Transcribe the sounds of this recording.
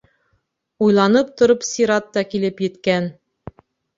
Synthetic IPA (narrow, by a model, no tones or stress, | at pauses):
ujlˠɑnɤp̚t̪ŏɾopsʲiɾɑt̪ːɑkilɘpjɘ̆t̪kæn